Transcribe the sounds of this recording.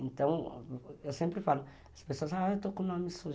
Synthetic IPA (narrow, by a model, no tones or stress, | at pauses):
ẽnt̪ɐ̃w̃ewsẽmpɾifalu | ɐspesoɐzaet̪okõnɔmisoʒ